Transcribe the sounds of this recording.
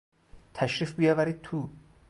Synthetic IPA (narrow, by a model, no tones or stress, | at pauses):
t̪ʰæʃɾiːfbijɒːvæɾiːd̪̚t̪ʰu